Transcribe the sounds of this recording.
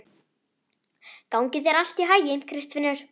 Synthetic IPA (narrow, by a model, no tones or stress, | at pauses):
kawŋcɪðɛɾal̥t̪iɦajɪnkʰɾɪst̪vɪnːʏɾ̥